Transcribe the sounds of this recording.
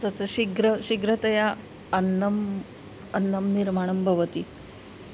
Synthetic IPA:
t̪ɐt̪ɐɕiɡɾəɕiɡɾɐt̪ɐja | ɐnːɐm | ɐnːɐmniɾmaɳ̃ɐmbʱɐʋət̪i

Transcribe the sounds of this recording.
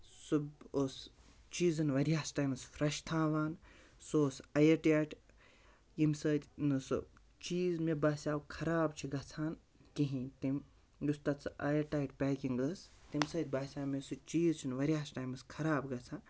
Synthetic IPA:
suboːs | t͡ʃiːzɨnʋɐɾʲjaːsʈaːjmɐsfɾɐʃt̪ʰãːʋaːn | soːsɐjɐʈaːʈ | jimsəːt̪ʲnɨsɨ̰ | t͡ʃiːzmebaːsʲaːwkʰɐɾaːbt͡ʃʰiɡɐt͡sʰaːn | kiɦĩːt̪im | just̪ɐt͡sʰɨɐjɐɾʈaːjʈpʲaːkʲiŋɡəst̪imsɐːt̪̚ʲbaːsʲaːmesɨt͡ʃiːzt͡ʃʰinʋɐɾʲjaːsʈaːjmɨskʰɐɾaːbɡɐt͡sʰaːn

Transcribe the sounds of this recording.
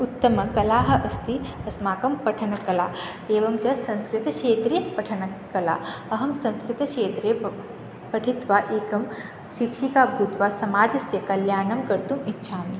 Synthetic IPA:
ut̪ːɐmɐkɐlaːɦɐʔɐst̪iɐsmaːkɐmpɐʈʰɐnɐkɐlaː | eːʋɐmt͡ʃɐsɐ̃ñskɾit̪ɐʃeːt̪ɾijɐpɐʈʰɐnɐkɐla̰ːɐɦɐmsɐ̃nskɾit̪ɐʃeːt̪ɾe | pɐʈʰit̪ʋaːʔeːkɐm | ʃikʂikaːbʱuːt̪ʋaːsɐmaːd͡ʒɐsjɐkɐljaːnɐmkɐɾt̪umitːʃʰaːmi

